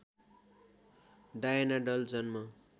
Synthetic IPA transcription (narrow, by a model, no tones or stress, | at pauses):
ɖajʌnaɖʌld͡zʌnmʌ